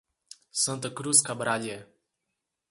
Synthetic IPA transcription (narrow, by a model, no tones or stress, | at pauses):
sənt̪əkɾuskabɾadʲɛ